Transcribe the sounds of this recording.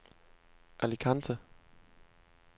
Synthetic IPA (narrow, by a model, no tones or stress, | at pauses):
ʔælikʰand̥ʰə